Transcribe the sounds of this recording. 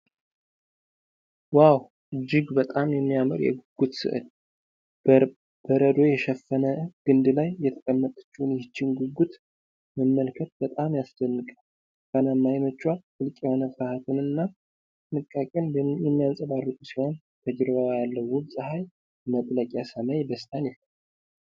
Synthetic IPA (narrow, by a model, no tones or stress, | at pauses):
waw | ɨd͡ʒːɪɡbət̪ʼamjɛmːijamɨɾjɛ̰ɡuɡut̪sɨ̰ʔɨ̰l | b̥əɾəd̪o̞jɛʃɛfːənəɡ̥ɨnd̪lajːɛt̪ʰə̥kʼəmːət̪ʼət͡ʃːunjɪhɪt͡ʃːɪnɡuɡut̪ | məmːəlkʰət̪̚bət̪ʼamjasd͡ʒ̪ənːɨkʼa | kənamːajmət͡ʃːwafɨlkʼjɛho̞nəfɾahat̪ʰɨnɨnːa | t̪ɨnɨkʼːakʼɛnjɛmːijansʼəbaɾɨk̪ʼusiho̞n | t̪ʰəd͡ʒɾɨβawajalːəwubsʼɨhaj | mət̪ʼləkʼjasəmajd̪əst̪ʰʼanjɛə